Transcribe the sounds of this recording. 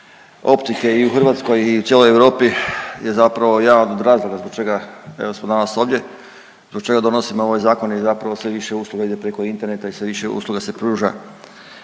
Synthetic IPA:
o̞̰pt̪ike̞iuxrʋaːt̪sko̞jiut̪jelojeʋɾo̞ːpije̞zapɾaʋo̞jaːʋad̪od̪ɾaːzlˠoɡazboɡ̚t͡ʃe̞ɡaḛo̞smod̪anaso̞ʋd̪ʲje̞ | zbokt͡ʃe̞ɡad̪o̞no̞simoo̞ʋajzaːko̞nezapɾaʋo̞sʋe̞ʋiʃe̞uːslˠuɡaid̪epɾe̞ko̞int̪e̞ɾnet̪aisʋe̞ʋiʃe̞ṵːslˠuɡase̞pɾuːʒa̰

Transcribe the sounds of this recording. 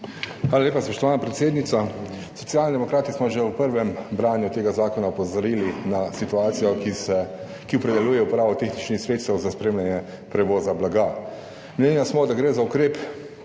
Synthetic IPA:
xʋaːlaleːpaspɔʃt̪ɔʋaːnapɾɛt̪seːd̪nit̪sa | sɔ̥t̪sijalnid̪ɛmɔkɾaːt̪ismɔʒɛwpəɾʋɛmbɾaːnjut̪eːɡazaːkɔnaɔpɔzɔɾilinasit̪uaːt̪sijɔksɛ | kiɔpɾɛd̪ɛlujɛupɾaːʋɔt̪eːxnit͡ʃnixsɾeːt̪st̪ɛwzaspɾeːmljanjɛ | pɾɛʋɔːzablaɡa | mlʲenjasmɔd̪aɡɾeːzaukɾeːp

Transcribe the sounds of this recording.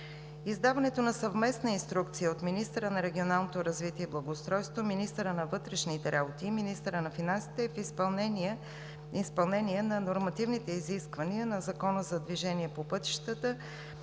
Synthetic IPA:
izd̪avɐnɛt̪onɐsɐvmɛsnəinst̪ɾuk̚t̪sijəot̪minist̪əɾənɐɾɛɡʲionalˠnot̪oɾɐzvit̪iɛiblˠɐɡoːst̪ɾɔjst̪vominist̪əɾənɐvɤt̪ɾɛʃnit̪ɛɾʔabot̪iːminist̪əɾənɐfinansi̥t̪ɛfispɐlˠnɛn | ispɐlˠnɛniɛnɐnoɾmɐt̪ivnit̪ɛiziskvəniənɐzɐkɔnəzɐd̪viʒɛniɛpopɤt̪i̥ʃt̪ət̪ə

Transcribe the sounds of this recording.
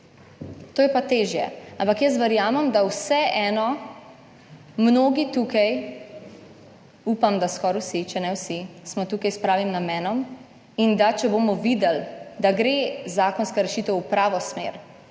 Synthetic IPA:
t̪oːjɛpat̪eːʒjɛ̰ãmpakjəs̬ʋɛɾjaːmɛmd̪awsɛʔɛːnɔ | mnoːɡit̪uːkaj | upamd̪askɔɾwsit͡ʃɛnɛwsismɔt̪uːkajspɾaːʋimnamɛːnɔm | ind̪at͡ʃɛbomɔʋiːd̪ɛld̪aɡɾezaːkɔnskaɾɛʃiːt̪ɛwpɾaːʋɔsmḛːɾ

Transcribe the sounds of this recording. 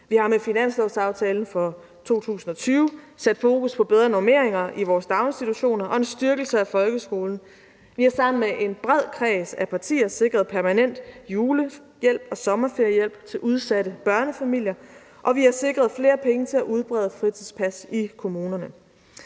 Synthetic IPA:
ʋihɑ̈mefinæn̰slɔʊsɑ̈ʊt͡sʰɛːln̩fɒ̽ | t͡sʰo̝̰ːt͡sʰṵːsn̩ɒ̽t͡sʰyːʊ | sæd̥fo̝ːkuspʰɒ̽b̥eðˠʁɐnome̝ɐ̰eŋɐʔiʋɒːsd̥ɑ̈ʊe̝nsd̥it͡sʰuɕo̝̰ːnɐʔɒ̽e̝nsd̥ɶɐɡ̥l̩səæfɒ̽lɡ̥əsɡ̥o̝ːln̩ | ʋihɑ̈sɑ̈m̰n̩meʔe̝nb̥ʁɛð̞̰ˠkʰʁɛːsæpʰɑ̈t͡sʰḭːɐse̝ɡ̥ʁɐð̞̩ˠpʰæɐmænen̰d̥juːlə | jel̰b̥ɒ̽sɒ̽mɐfe̝ɐjəjel̰b̥̚t͡sʰe̝lʔuð̞ˠsædəb̥ɶɐnəfæmil̰jɐ | ʔɒ̽ʋihɑ̈se̝ɡ̥ʁɐð̞̩ˠfle̝ːɐpʰeŋət͡sʰe̝læʔuð̞ˠb̥ʁɛːð̞ˠəfʁit͡sʰiðˠspʰæsikʰo̝muːnɐnə

